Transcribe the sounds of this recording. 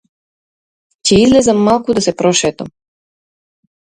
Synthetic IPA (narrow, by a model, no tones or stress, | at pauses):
t͡ɕeizlezamːalˠkud̪asepɾoʃeːt̪am